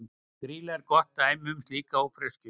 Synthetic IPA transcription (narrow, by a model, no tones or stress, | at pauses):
θɾiːlɛɾkɔht̪aejmʏmst̪liːkaawfɾɛscʏ